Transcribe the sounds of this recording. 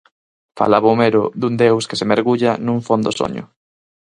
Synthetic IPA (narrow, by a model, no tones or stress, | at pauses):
fa̰laβomeɾʊðund̪ewskɪsemeɾɣuʎɐnũɱfond̪oso̰ɲʊ̰